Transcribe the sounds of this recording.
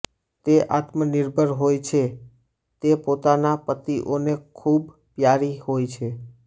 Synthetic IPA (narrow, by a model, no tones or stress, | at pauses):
t̪eʔat̪mənɪɾbʱəɾɦojt͡ʃʰe | t̪epot̪anapət̪iʔonekʰub | pjaɾihojt͡ʃʰe